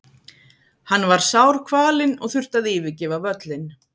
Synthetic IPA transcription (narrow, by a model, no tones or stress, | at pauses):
hanːvaɾ̥sawɾ̥kʰvaːlɪnɔɣθʏr̥t̪aðɪːvɪcɛːvavœt̪lɪn